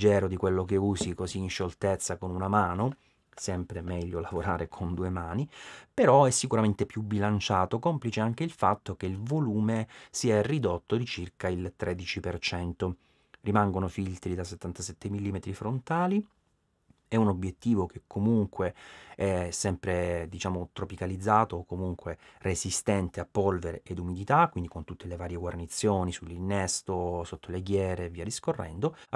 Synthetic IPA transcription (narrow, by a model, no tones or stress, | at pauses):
d͡ʒɛːɾod̪ikwelːok̬euːzikoziːnʃolt̪et̪sːakonunamaːno | sɛmpɾemɛʎːolavoɾaːɾekʰond̪uːemaːnipeɾɔɛsːikuɾament̪epjubilant͡ʃaːt̪okɔmplit͡ʃeaŋk̟eilfat̪ːokeilvoluːmesiɛrid̪ot̪ːod̪it͡ʃirkailt̪ɾʔɛd̪it͡ʃipert͡ʃɛnt̪o | rimaŋɡonofilt̪ɾid̪aset̪ːant̪asɛt̪ːemilːiːmet̪ɾifɾont̪aːli | ɛunobjet̪ːiːvok̟ʰekʰːomuŋkweɛsɛmpɾed̪it͡ʃaːmot̪ɾopikalid̪zːaːt̪oːkːomuŋkwerʔezist̪ɛnt̪eapːɔlveɾeʔed̪umid̪it̪akːwind̪ikont̪ut̪ːelevaːɾjeɡwarnit̪sːjoːnisulːinːɛst̪osot̪ʰːoleɡjɛːɾeviːad̪iskorːʔɛ̰nd̪o